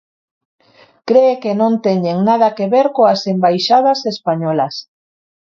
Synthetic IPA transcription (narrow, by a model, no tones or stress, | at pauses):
kɾeekenõnt̪eɲeŋnað̞ɐkeβeɾkoasembajʃað̞asespaɲɔlas